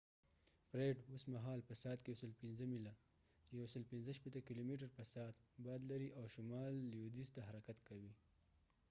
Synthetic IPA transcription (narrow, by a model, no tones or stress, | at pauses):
pɾeɖosmaɦɑlpəsɑːt̪̚kejawsəlpinzəmila | jawsəlpinzəʃpet̪əkilomiʈ̬aɾpəsɑːt̪bɑd̪laɾiʔawʃʊmɑlːjod̪ist̪aɦaɾakat̪kawi